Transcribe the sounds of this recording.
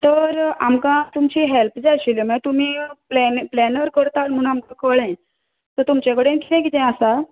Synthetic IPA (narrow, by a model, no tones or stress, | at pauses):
t̪əɾamkãt̪umt͡ɕiːɦelpd͡zaɕilemət̪um̤iːplɛplɛnəɾkəɾt̪alm̤uñamkãkʰəɭɛ̃ | t̪əɾt̪umt͡ɕak̬əɽenkʰit̪ɛ̃k̬it̪ɛ̃asa